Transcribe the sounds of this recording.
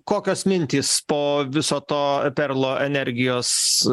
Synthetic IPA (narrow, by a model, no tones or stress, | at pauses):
koːkʲoːsmʲɪnʲt̪ʲiːspoːʋʲɪsoːt̪oːpʲɛɾlˠoːʔɛnʲɛɾʲɡʲɪjoːs